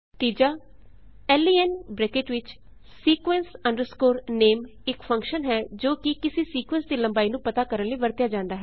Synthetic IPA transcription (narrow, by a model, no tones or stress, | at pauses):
t̪iːd͡ʒaː | ɛːliːɛnbɾeːkɪʈʋɪt͡ʃ | siːkʋɛ̃nsə̃ɳɖəɾskoːɾneːmɪkfʰə̃ŋkʃənɦɛːd͡ʒoːkɪkɪsisiːkwɛ̃nsd̪iːləmbaːiːnũːpət̪aːkəɾənləiːbəɾt̪jaːd͡ʒãːnd̪aːɦɛː